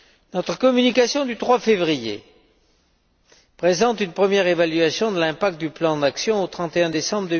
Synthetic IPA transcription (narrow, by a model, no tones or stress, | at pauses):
nɔt̪χəkɔmynikasjɔ̃d̪yt̪χwafevʁijḛ | pχezɑ̃t̪ynpχəmjɛʁevalɥasjɔ̃d̪əlɛ̃pak̚t̪̚d̪yplɑ̃d̪aksjɔ̃ot̪χɑ̃t̪eɛ̃d̪esɑ̃bʁəd̪ə